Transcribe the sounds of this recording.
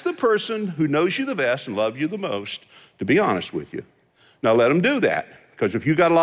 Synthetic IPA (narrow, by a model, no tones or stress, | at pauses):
ðɨpʰɜ˞sɨ̃nɦʉnoʊzjɨðɨbɛstn̩lʌvzɨðəmoʊstʰ | ɨbiɑnɨ̰st̚wɪ̰ðjɨ̰ | naʊlɛɾɨ̃mdɨðæ̰t̚ | kʰʌzɨfjɨɡɑɾəlɑ